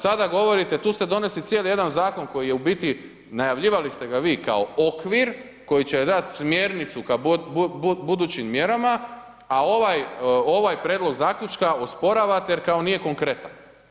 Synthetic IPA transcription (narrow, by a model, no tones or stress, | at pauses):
sad̪aɡo̞ʋo̞ɾit̪et̪uːst̪e̞d̪o̞ne̞slit̪sje̞lje̞d̪anzaːko̞nko̞jije̞ubit̪i | najaʋʎiːʋalist̪e̞ɡaʋiːka̰o̞okʋiɾ | ko̞jit͡ɕed̪at̪smjeːɾnit̪sukabbbud̪uːt͡ɕimːje̞ɾama | ao̞ʋajo̞ʋajpɾjeːd̪loɡzaːkʎʲut͡ʃkaospo̞ɾaʋat̪ejeɾkao̞nije̞ko̞ŋkɾe̞t̪an